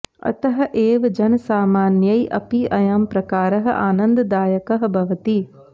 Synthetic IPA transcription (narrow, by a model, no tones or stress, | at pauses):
ɐ̰t̪ɐɦɐ̆ʔeːʋɐd͡ʒɐnɐsaːmaːnjɐjʔɐ̰piʔɐjaːmpɾɐkaːɾɐɦɐ̰ʔaːnɐnd̪ɐd̪aːjɐkɐɦɐ̆bʱɐʋɐt̪i